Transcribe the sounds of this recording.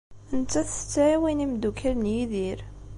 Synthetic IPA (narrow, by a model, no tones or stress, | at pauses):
ənt͡sːæθət͡sːʕiwinimd̪ukəɾnjiðiɾ